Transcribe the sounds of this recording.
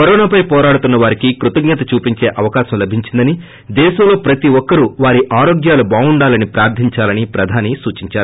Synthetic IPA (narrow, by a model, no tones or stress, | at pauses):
kɐɾoːnaːpɐjpɔːɾaːɽut̪unːɐʋaːɾikikɾut̪ɐɡɲɐt̪ɐt͡ʃuːpiɲt͡ʃe̞ːʔɐʋɐkaːʃɐmlɐbʱiɲt͡ʃind̪ɐni | d̪ɛːʃɐmlo̞ːpɾɐt̪iʋɔkːɐɾuʋaːɾiʔaːɾoːɡjaːlubaːuɳɖaːlɐnipɾaːɾt̪iɲt͡ʃaːlɐnipɾɐd̪ʱaːnisuːt͡ʃiɲt͡ʃaːɾu